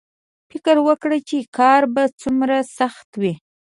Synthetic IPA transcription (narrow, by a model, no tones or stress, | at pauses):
fɪkəɾwəkɽət͡ʃekɑɾbat͡sumɾasaxt̪wi